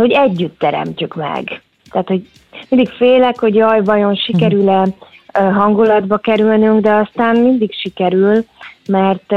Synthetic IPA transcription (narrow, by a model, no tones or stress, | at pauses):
ho̞ɟɛɟːyt̪ːɛɾɛ̰mcykmɛ̰ɡ | t̪ɛːt̪ho̞ɟ | mind̪ikfeːlɛkho̞ɟjɒjbɒjo̞nʃikɛɾylɛ | ɦɒŋɡulɒd̪bɒkɛɾylnyŋɡd̪ɛɒst̪aːnmind̪ikʃikɛɾylmɛrt̪